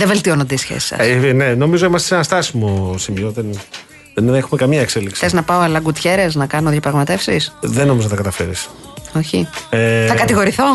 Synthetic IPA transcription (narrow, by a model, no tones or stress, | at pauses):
ðeve̞lt̪io̞nɐd̪eisçḛsi̥sɐ̰svineno̞mizo̞imɐst̪esenɐst̪ɐsimosimioðen | ðenexumekɐmiɐekse̞liksi̥eznɐpɐoɐlɐɡut̪çe̞ɾe̞znɐkɐnoðjɐpɾɐɣmɐt̪e̞fsisðenːomizonɐt̪ɐkɐt̪ɐfe̞ɾḭs | o̞çieθɐkɐt̪iɣo̞ɾiθo̞